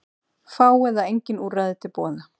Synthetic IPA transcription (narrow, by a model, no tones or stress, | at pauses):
faːwɛðaejɲcɪnuːraðɪt̪ʰɪlpɔːða